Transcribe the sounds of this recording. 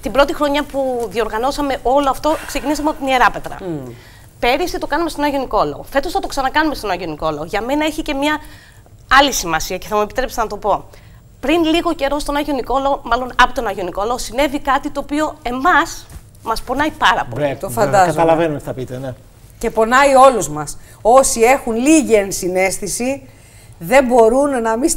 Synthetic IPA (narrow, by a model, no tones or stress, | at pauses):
t̪ibɾo̞t̪ixɾo̞ɲɐpuðio̞ɾɣɐno̞sɐme̞ʔo̞loɐft̪o̞kse̞cinisɐmeopt̪nie̞ɾɐpe̞t̪ɾɐ̰ | pe̞ɾist̪it̪okɐnumet̪o̞nɐʝio̞niko̞lɐo̰fe̞t̪ost̪ɐt̪o̞ksɐnɐkɐnume̞st̪o̞nɐʝo̞niko̞lɐoʝɐme̞nɐeçice̞mɲɐ | ɐlisimɐsiɐce̞θɐmue̞pit̪ɾe̞pst̪enɐt̪opo̞ | pɾinliɣo̞ce̞ɾo̞st̪o̞nɐʝioniko̞loomɐlo̞nɐpot̪o̞nɐʝoniko̞lɐosine̞vikɐt̪it̪oːpio̞e̞mɐs | mɐspo̞nɐipɐɾɐ̰po̰it̪ofɐnd̪ɐzɐɐlɐvenuet̪iθɐpit̪ene | ce̞po̞nɐio̞luzmɐso̞sie̞xunliʝiensine̞st̪isi | ðe̞mbo̞ɾunːɐmi